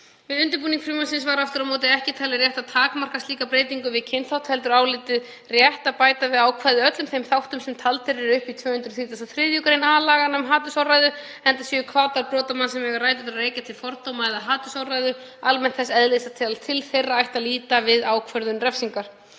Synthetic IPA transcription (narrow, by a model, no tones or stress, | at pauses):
vɪðʏnt̪ɪɾpuːniŋkfɾimansɪnsvaɾaft̪ʏɾamoːwt̪̬ɪðɛhcɪt̪ʰaːlɪɾjɛht̪at̪ʰaːkmar̥kast̪liːkapɾeːjt̪iŋkʏvɪðcʰejnθawt̪hɛlt̪̬ʏɾaːwlɪːt̪ɪð | rjɛht̪apaːjt̪avɪðaːwkʰvaːðʏœt̪lʏmθejmθawht̪ʏmsɛmt̪ʰalt̪ɪɾɪɾʏhpit̪ʰv̥œːhʏnt̪ɾʏ̥θiːt̪asaθɾɪðjukaɾejnaːlaːɣanœmɦaːt̪ʏsawrajðʏ | ɛnt̪asjɛkʰvaːt̪aɾpɾɔːt̪amansɛmɛɣaɾraːjt̪ʏt̪areːjcat̪ʰɪlfɔɾt̪oːwmaɛðaɦaːt̪ʏsawrajðʏ | almɛn̥t̪θɛsːɛðlɪsat̪ʰɪalt̪ʰɪlθejrːaajht̪aliːt̪avɪðaːwkʰvœɾðʏnrɛfsiŋkaɾ̥